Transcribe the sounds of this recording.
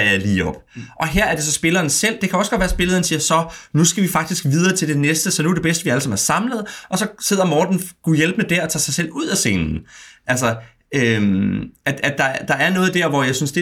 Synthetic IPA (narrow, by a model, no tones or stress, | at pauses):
liːɒ̽b̥ʔɒ̽ɦeɐ̰æɐd̥e̝sɒ̽sb̥e̝lɐːnsel̰d̥e̝kʰæɒ̽sɡ̥ɒ̽d̥ʋæɐsb̥e̝ləðˠɐːn̩siːɐsɒ̽nusɡ̥æʋifɑ̈ɡ̥d̥isɡ̥ʋiːð̞ˠɐːt͡sʰe̝ld̥e̝nesd̥əsɒ̽nuæɐd̥e̝besd̥əʋiæləsɑmæɐsɑ̈mləð̩ˠʔɒ̽sɒ̽se̝ð̰ˠɐmɒːd̥n̩ɡ̥ujelb̥əned̥æɐɒt͡sʰɑ̰̈ːsɑ̈ɪsel̰uð̰ˠæse̝̰ːnn̩ʔælsɒ | ømʔæ̥æd̥ɑ̈d̥ɑ̈æɐnɔ̽ːð̩ˠd̥æɐ̰ʋɒjɑ̈ɪsynsd̥e̝